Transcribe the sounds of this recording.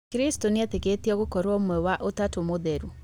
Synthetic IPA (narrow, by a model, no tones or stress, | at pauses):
kɾistoneateketiɔɣokɔɾwɔmwɛwaʔotatomoðeɾu